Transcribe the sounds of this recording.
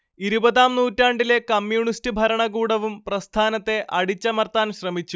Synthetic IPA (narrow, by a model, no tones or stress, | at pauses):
iɾubɐðaːmnuːtːaːɳɖile̞kɐmjuːɳistɨbʱɐɾɐɳɐɣuːɽɐʋumprɐst̪ʰaːnɐt̪ːe̞ʔɐɽit͡ɕːɐmɐrt̪aːnɕrɐmit͡ɕːu